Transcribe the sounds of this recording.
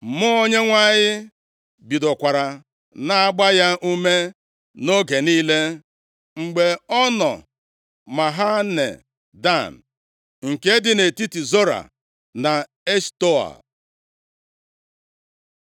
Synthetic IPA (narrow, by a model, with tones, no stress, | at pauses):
mʊ˦o˦ɲe˦ŋʷa˦ɲɪ˦ | bi˨dɔ˨kʷa˨ɾa˨ | na˨a˦ɡ͡ba˦ja˦ʔu˦me˦ | no˦ɡe˨niː˦le˦ | ŋ͡m̩˨ɡ͡be˨ɔ˦nɔ̰˨ | ma˨ɦa˦nḛ˨ | da˦˨n̩˨ | ŋ̩˨ke˦dɪ˦ne˨ti˦ti˨zo˦ɾa̰˨ | na˨ | e˦sto˦a̰˨